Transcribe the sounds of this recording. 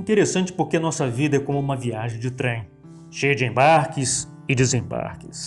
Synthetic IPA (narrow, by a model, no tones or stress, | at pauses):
ĩt̪eɾesɐ̃t͡ʃɪ̥poɾkeɐnɔsɐvid̪ɐɛkõmʊũmɐviaʒẽj̃d͡ʒɪt̪ɾẽj̃ | ʃejɐd͡ʒɪẽbaɾkɪs | ɪdezẽba̰ɾkɪs